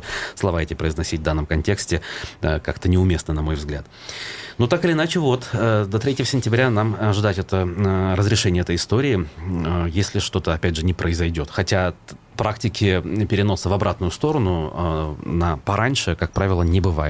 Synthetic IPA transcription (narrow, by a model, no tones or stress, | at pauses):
slˠɐvaɛtʲɪpɾəɪznɐsʲitʲvd̪anːəmkɐnʲtʲe̞ksʲtʲɪəkakt̪ənʲɪʊmʲe̞snənɐmo̞jvzɡlʲat̪ | not̪akɨlʲɪnat͡ɕɪvo̞t̪d̪ɐt̪ɾʲetʲɪvəsʲɪnʲtʲɪbɾʲanamɐʐɨd̪atʲɛt̪ərəzɾʲɪʂɛnʲɪjəɛt̪əjɪst̪o̞ɾʲɪɪ | jesʲlʲɪʂt̪o̞t̪əɐpʲædʲʐɨnʲɪpɾʔəɪzɐjdʲo̞t̪xɐtʲa | pɾaktʲɪkʲʰɪpʲɪɾʲɪno̞səvɐbɾat̪nʊjʊst̪o̞ɾənʊ | napɐɾanʲʂɨkak̚pɾavʲɪlˠənʲɪbɨva̰jɪ